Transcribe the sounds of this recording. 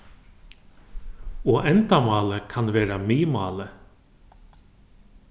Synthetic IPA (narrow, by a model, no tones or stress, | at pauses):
ɔʔɛnt̪amɑːləkʰanveːɾamiːmɑːlə